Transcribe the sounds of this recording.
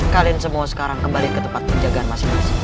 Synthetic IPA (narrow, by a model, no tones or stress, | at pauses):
kalinsəmuasə̥kaɾaŋkəmbalikət̪əmpat̪̚pəɲd͡ʒaɡaanmasɪmasɪ